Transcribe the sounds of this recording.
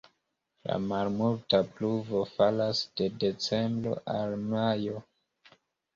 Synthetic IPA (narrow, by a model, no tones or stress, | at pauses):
la̰malmultapluvo̞falasd̥e̞de̞t͡se̞mbɾo̞̰ʔalmajo̞